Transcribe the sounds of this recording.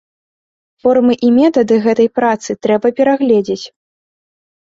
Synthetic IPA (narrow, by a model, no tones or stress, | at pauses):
fɔrmɨʔimʲɛt̪ɐd̪ɨɣɛt̪ɐjpɾat̪sɨt̪ɾɛbɐpʲɛɾaɣlʲɛd͡zʲet͡sʲ